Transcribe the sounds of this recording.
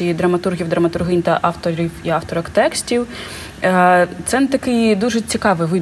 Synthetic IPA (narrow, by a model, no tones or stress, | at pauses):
ijid̪ɾɐmɐt̪urɣʲiwd̪ɾɐmɐt̪ʊrɦɪnʲt̪ɐʔɑft̪ɔɾʲiwiɑft̪ɔɾɔkt̪ɛksʲtʲiw | t̪sɛnt̪ɐkɪjd̪uʒɛt͡sʲikɑʋɨʋɪ